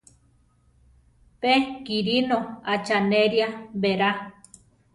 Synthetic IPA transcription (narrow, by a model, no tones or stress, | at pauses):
pekiɾinoat͡ʃaneɾjabeɾa